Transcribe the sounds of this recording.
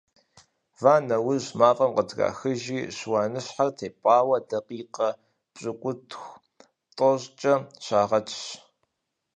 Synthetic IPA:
vaːnɐwʊʑmaːfʼɐmqədʰɣa̰ːxɨʒiːɕwaːnɨɕħartʰeːpʼɑːwɐdɐqiːqɐ | pʼɕʼɨkʷʼʊtʰxʷ | tʼɔʑt͡ʃʼɐɕaːʁɐt͡ʃʰʼɕ

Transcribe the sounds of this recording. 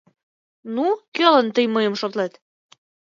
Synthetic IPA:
nukølə̆nt̪əjməjə̆mʃot̪lɑt̪

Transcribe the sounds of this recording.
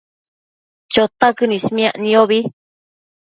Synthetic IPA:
t͡ʃot̪akɨnĩsmĩãʔnĩoβi

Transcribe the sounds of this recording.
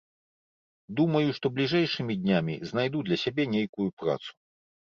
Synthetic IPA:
d̪umɐjuʂt̪ɔblʲiʐɛjʂɨmʲid̪ʲnʲamʲḭznajd̪ud̪lʲɐsʲabʲɛnʲejkujupɾa̰t̪su̥

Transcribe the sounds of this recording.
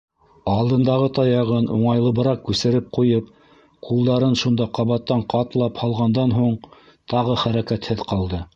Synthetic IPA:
ɑlˠd̪ɤ̆nd̪ɑʁɤt̪ɑjɑʁɤnʔṵɴɑjlˠɤ̆bɤ̆ɾɑqkʉsɘ̆ɾɘp̚qujɤp | qulˠd̪ɑɾɤnʃund̪ɑqɑβɑt̪ːɑɴqɑt̪lˠɑphɑlˠʁɑnd̪ɑnɦuɴ | t̪ɑʁɤχæɾækæt̪hɘðqɑlˠd̪ɤ

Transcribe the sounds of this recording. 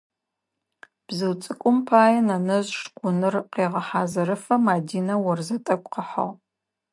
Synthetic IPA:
b̥zɨwt͡sʼɨkʷʼʊmpʰaːjɐnɐnɐzʂqʷʊnɨrqeːʁɐħaːzɐɾɨfɐmaːdiːnɐwɔrzɐtʼɐkʷʼqɐħɐ̰ʁ

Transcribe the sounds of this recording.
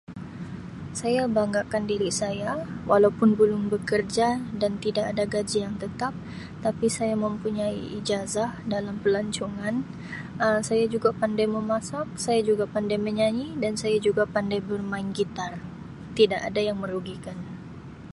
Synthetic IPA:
sajabaŋɡakandiɾisajawalawpʊnbəlʊŋbəkərd͡ʒadant̪idaʔadaɡad͡ʒijaŋt̪ət̪ap̚ | t̪apisajaməmpuɲaiʔid͡ʒazahdalampəlaɲt͡ʃuŋan | əsajad͡ʒuɡapandajməmasak̚sajad͡ʒuɡapandajməɲaɲidansajad͡ʒuɡapandajbərmaɪnɡit̪ar | t̪idaʔadajaŋməɾuɡikan

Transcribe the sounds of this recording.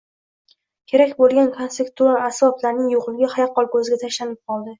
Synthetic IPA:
kʲʰe̞ɾakʲbolˠɡʲankʰonsekt̪ualasvɒblaɾnɪŋjoʁlˠɪɡʲahajɑqːɒlˠkɵzɪɡʲat̪ʰaʃlanɪp̚qʰɒlˠd̪ɪ

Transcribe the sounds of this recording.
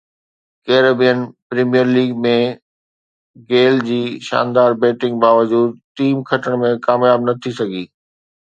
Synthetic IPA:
keːɾəbijənpɾiːmijəɾliːɡmẽ | ɡeːld͡ʑiːʃa̰ːnd̪aːɾbeːʈɪ̃ŋɡ̚baːʋəd͡ʑuːd̪̚ʈiːmkʰɐʈəɽ̃mẽkaːmjaːbnɐt̪ʰisɐɡʱiː

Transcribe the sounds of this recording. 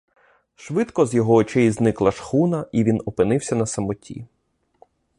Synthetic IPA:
ʃʋɪd̪kɔzjɔɦɔːt͡ʃɛjiznɪklˠɐʃxunɐiʋʲinɔpɪnɪwsʲɐnɐsɐmɔtʲḭ

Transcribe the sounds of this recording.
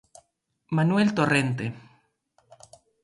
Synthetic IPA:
manwelt̪orent̪e

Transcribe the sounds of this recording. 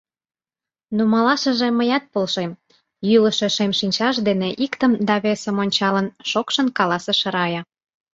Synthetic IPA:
numɑlɑʃə̆ʒeməjɑt̪̚polʃem | jyləʃeʃemʃinʲt͡ɕɑʃd̪eneʔikt̪əmd̪ɑβesə̆monʲt͡ɕɑlənʃokʃənkɑlɑsəʃə̆ɾɑjɑ

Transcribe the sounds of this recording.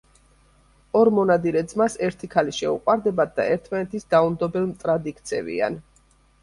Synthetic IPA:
ɔɾmɔnad̪iɾɛd̪zmasɛɾt̪ʰikʰaliʃɛuqʼwaɾd̪ɛbad̪̚d̪a̰ɛɾt̪ʰmanɛt̪ʰisɡ̪aumd̪ɔbɛlˠmt̪ʼɾad̪ikʰt̪sʰɛ̰vḭa̰n

